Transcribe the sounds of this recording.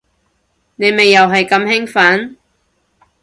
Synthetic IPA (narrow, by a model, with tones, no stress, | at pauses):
ne˨˧jme˨jːɐ˨wɦɐ˨jkɐ˨˧mhɪ˥ŋfɐ˨˥n